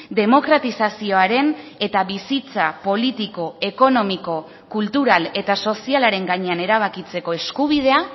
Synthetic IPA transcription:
d̪e̞mo̞kɾat̪isasio̞aɾe̞ne̞t̪aβisit͡sapo̞lit̪iko̞e̞ko̞no̞miko̞ | kult̪uɾale̞t̪aso̞sialaɾe̞ŋɡaɲe̞ane̞ɾaβ̞akit͡se̞ko̞e̞skuβ̞ið̞e̞a

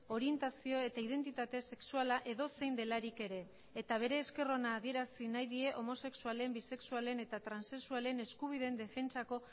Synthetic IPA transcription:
o̞ɾie̞nt̪asio̞e̞t̪aið̞e̞nt̪it̪at̪e̞se̞ksualaʔe̞ðo̞se̞jnd̪e̞laɾike̞ɾe̞ː | t̪aβ̞e̞ɾe̞ːske̞ro̞naːð̞ie̞ɾasinajðie̞ʔo̞mo̞se̞ksuale̞mbise̞ksuale̞ne̞t̪at̪ɾanse̞ksuale̞ne̞skuβ̞iðe̞nd̪e̞fe̞nt͡sako̞

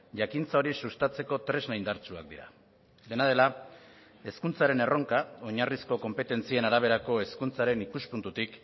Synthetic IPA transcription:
ʝakint͡sao̞ɾisust̪at͡se̞ko̞t̪ɾe̞znajnd̪aɾt͡sua̰k̚d̪iɾa̰ | d̪e̞nað̞e̞la | e̞skunt͡saɾe̞ne̞ro̞ŋkao̞ɲarisko̞ko̞mpe̞t̪e̞nt͡sie̞naɾaβ̞e̞ɾako̞e̞skunt͡saɾe̞nikuspunt̪ut̪ik

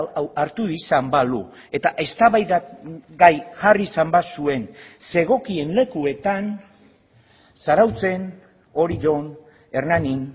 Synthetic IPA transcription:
aɾt̪uisambalu | e̞t̪aʔe̞st̪aβajðaɡajʝarisambasue̞nse̞ɣ̞o̞kie̞nle̞kue̞t̪an | saɾawt͡se̞n | o̞ɾiʝo̞n | e̞ɾnanin

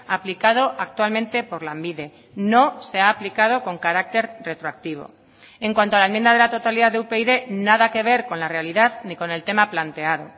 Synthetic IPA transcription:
aplikað̞o̞ʔak̚t̪walmẽ̞nt̪e̞po̞ɾlambiðe̞ | no̞se̞aːplikað̞o̞ko̞ŋkaɾak̚t̪e̞ɾre̞t̪ɾoak̚t̪iβ̞o̞̰ | eŋkwant̪oalaemjẽnd̪aðelat̪o̞t̪aliðaðeupeiðe̞naðake̞β̞e̞ɾko̞nlare̞aliðaðniko̞ne̞lt̪e̞maplant̪e̞aðo̞̰

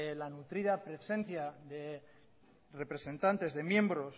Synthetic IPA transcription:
lanut̪ɾiðapɾe̞se̞nθjaðe̞ | re̞pɾe̞se̞nt̪ant̪e̞zðe̞mje̞mbɾo̞s

